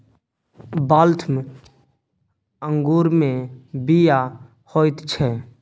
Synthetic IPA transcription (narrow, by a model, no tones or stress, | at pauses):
baːlt̪ʰm | əŋɡuːɾmẽbija | hoːɪt̪t͡ʃʰɛː